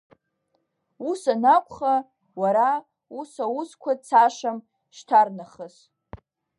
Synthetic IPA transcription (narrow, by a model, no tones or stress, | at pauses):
usanakʷʰʼχa | waɾa | usawuskʷʰat͡sʰaʂam | ʃtʰarnaχəz